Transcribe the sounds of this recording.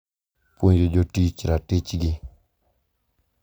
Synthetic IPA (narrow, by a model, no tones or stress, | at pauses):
poɲd͡ʒed͡ʒotit͡ʃɾatet͡ʃɡɪ